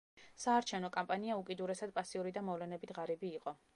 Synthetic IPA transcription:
saːɾt͡ʃʰɛvnɔkʼampʼaniaukʼid̪uɾɛsad̪̚pʼasiuɾid̪amɔvlɛnɛbit̪ʰʁaɾibiːqʼɔ

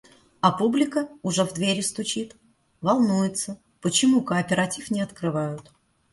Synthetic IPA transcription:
ɐpublʲɪkəʊʐɛvd̪vʲeɾʲɪst̪ʊt͡ɕit̪ | vɐlˠnujɪt̪sə | pət͡ɕɪmukəːpʲɪɾɐtʲifnʲɪɐt̪kɾɨvajʊt̪

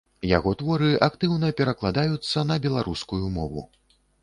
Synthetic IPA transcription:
ja̰ɣɔt̪vɔɾɨʔakt̪ɨwnɐpʲɛɾɐklˠad̪ajut̪sːɐnɐbʲɛlˠaɾʔuskujumɔvṵ

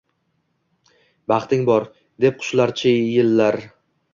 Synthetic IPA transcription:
bɑχt̪ʰɪŋbɒɾ | d̪e̞p̚qʰʊ̥ʃlaɾt͡ʃʰɪjɪlːaɾ

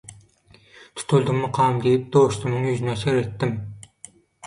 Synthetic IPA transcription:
t̪ʰʊ̥t̪ʰulˠd̪ʊmnɨqʰɑːmd̪ejip̚d̪oʃt̪umnɨŋjyzynɛseɾet̪ːɪm

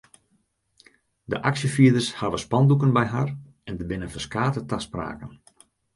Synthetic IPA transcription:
dəʔaksjəfiədərshaʋəspɑndukənbɛjɦar | ɛndəbɪnənfəskaːtətaspra̰ːkən

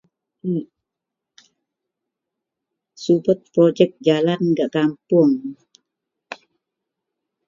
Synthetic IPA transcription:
subət̪̚pɾod͡ʒɛk̚d͡ʒalanɡaʔkampʊŋ

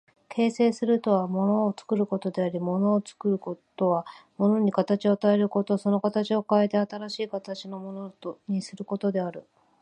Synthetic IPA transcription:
kʰe̞ːse̞ːsɨɾɯ̟t̪o̞βamo̞no̞ːt͡sɨ̥kɯ̟ɾɯ̟ko̞t̪o̞d̪e̞aɾʲimo̞no̞ːt͡sɨ̥kɯɾɯ̟kot̪o̞βamo̞no̞ɲ̟ikat̪at͡ɕio̞t̪ae̞ɾɯ̟ko̞t̪oso̞no̞kat̪at͡ɕio̞kae̞t̪e̞at̪aɾaɕiːkat̪at͡ɕino̞mo̞noɲ̟isɨɾɯ̟ko̞t̪o̞d̪e̞aɾɯ̟

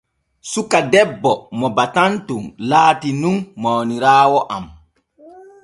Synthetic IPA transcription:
sukadɛbːɔmɔbatantumlaːtinunːɔwniɾaːwɔʔam

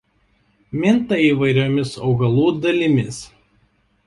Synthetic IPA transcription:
mʲɪnt̪ɐiːʋɐɪɾʲoːmʲɪsɒʊɡɐlˠuːd̪ɐlʲɪmʲɪs

